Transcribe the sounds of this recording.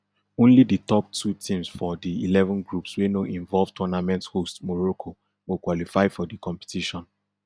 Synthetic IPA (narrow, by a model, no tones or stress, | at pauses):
õnliditɔp̚tʰutʰĩmsfɔdiilɛvɔ̃nɡɹupswenoʔĩɱvɔlvtʰɔnamɛ̃nthostmɔɹokʰo | wokwalifaɪfɔdikɔ̃mpɛ̥tiʃɔ̃n